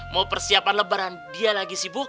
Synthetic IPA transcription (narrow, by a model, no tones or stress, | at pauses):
mapərsiapanləbaɾandialaɡisibʊk